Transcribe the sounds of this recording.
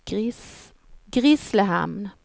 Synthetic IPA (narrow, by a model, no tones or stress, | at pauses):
ɡɾɪsləhæ̰m